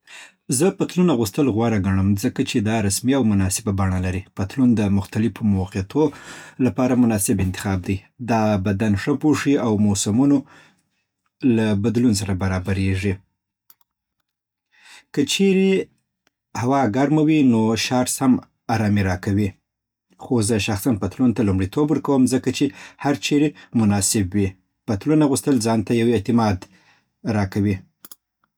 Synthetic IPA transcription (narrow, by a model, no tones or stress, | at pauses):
zəpət̪lunaɣust̪əlɣwɑɾaɡaɳəmzəkat͡ʃed̪ɑɾasmiawmʊnɑsɪbabaɳalaɾipət̪lund̪əmʊxt̪alɪfomʊwqɪt̪ʰolapɑɾamʊnɑsɪbɪnt̪ɪ̥xɑb̚d̪ajd̪ɑbad̪anʂəpoʂiawmosamuno | labad̪luns̬aɾabaɾɑbaɾeʐi | kət͡ʃeɾe | hawɑɡaɾmawinoʃɑɾsham | ɑɾɑmiɾɑkawi | xozəʃaxsanpat̪lunt̪alumɽit̪ʰobwəɾkawəmzəkat͡ʃehaɾt͡ʃeɾemʊnɑsɪbwi | pat̪lunaɣust̪əlzɑnt̪ajawet̪ɪmɑd̪ | ɾɑkawi